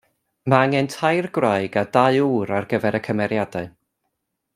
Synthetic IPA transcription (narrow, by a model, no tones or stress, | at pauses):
maaŋɛntʰajrɡwraɨɡadaɨuːɾarɡəvɛɾəkʰəmɛɾjadaɨ